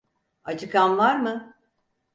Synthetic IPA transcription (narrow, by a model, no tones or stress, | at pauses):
at͡ʃʰɯkʰanvaɾmɯ